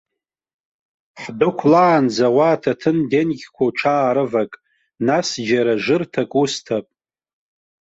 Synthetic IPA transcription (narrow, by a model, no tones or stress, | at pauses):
ħdʊkʷʰlaːnd͡zawatʰatʰɨndenɡʲkʷʰaʈ͡ʂʰaːɾɨvakʼ | nasd͡ʒaɾaʐɨrtʰakʼustʰapʼ